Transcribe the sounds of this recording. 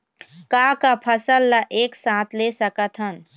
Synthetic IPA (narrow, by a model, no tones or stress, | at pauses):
kaːkapʰəsəlːəʔeːksãːt̪ʰlesəkət̪ʰɦən